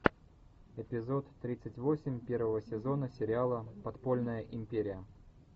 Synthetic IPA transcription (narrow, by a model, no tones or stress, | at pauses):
ɪpʲɪzo̞t̪ːɾʲit̪sətʲvosʲɪmʲpʲe̞rvəvəsʲɪzo̞nəsʲɪɾʲɪalˠəpɐt̪po̞lʲnəjəʔɪmʲpʲeɾʲɪjə